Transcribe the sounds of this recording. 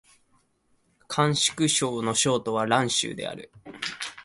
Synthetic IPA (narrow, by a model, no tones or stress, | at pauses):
kʰãɰ̃ɕi̥kɯ̟ɕo̞ːno̞ɕo̞ːt̪o̞β̞aɾãɰ̃ɕɨ̰ːd̪e̞̰a̰ɾɯ̟